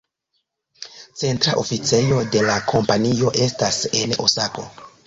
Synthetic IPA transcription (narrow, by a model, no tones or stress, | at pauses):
t͡se̞ntɾa̰ʔo̞fit͡se̞jo̞de̞lakʰo̞mpanio̞ʔe̞stase̞no̞̰sako̞̰